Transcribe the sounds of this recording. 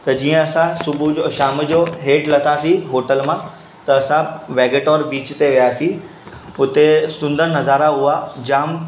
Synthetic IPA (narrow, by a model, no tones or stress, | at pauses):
t̪ɐd͡ʑiːə̃ɐsãsʊbʱud͡ʑoʃaːməd͡ʑoɦeːʈlɐt̪ʰaːsĩɦoːʈəlmã | t̪ɐːsãʋeːɡeːʈoːɾbiːt͡ɕt̪eʋijaːsĩ | ʊt̪esʊ̃nd̪əɾnɐzaːɾaɦʊad͡ʑaːm